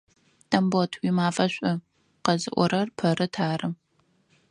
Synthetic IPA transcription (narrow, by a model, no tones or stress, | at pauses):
d̥ɐmbotʰwimaːfɐɕʷʼʊ | qɐzɨʔʷɔɾɐrpʰɐɾɨtʰaːrɨ